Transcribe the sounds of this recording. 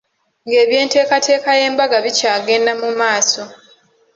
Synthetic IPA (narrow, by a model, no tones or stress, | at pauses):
ŋɡe̞ːβje̞ːnte̞ːkatʰe̞ːkaje̞ːmbaɡaβicaːɡe̞ːndamumaːso̞